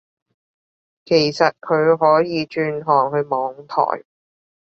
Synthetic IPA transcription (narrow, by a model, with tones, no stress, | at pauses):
kʰe˨˩jsɐ˨t̚kʰɵ˨˧ɥɦɔː˨˥jiː˨˧t͡ʃyː˧nɦɔː˨˩ŋɦɵ˧ɥmɔː˨˧˥ŋt̪ʰɔ̰ː˨˩j